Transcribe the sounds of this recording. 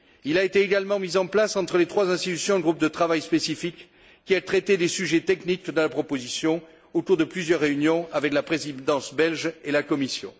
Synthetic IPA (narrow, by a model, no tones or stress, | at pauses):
ilaet̪eːɡalmɑ̃mizɑ̃plasɑ̃t̪χəlet̪χwazɛ̃st̪it̪ysjɔ̃ɛɡʁup̚d̪ət̪χavajspesifikː | iat̪χet̪ed̪esyʒɛt̪ɛknikd̪əlapχɔpozisjɔ̃ | ot̪uʁd̪əplyzjœʁːeynjɔ̃avɛklapχezid̪ɑ̃sbɛlʒelakɔmisjɔ̰̃